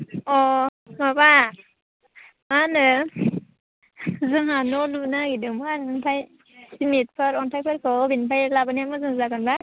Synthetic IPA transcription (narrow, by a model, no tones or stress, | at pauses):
ɔmaba | manɯ | zɯŋanɔlunaɡidɯmannpʰaj | simit̚pʰɯɾɔntʰajpʰɯɾkʰɯbinpʰajlabaniamɯzɯŋzakɯnba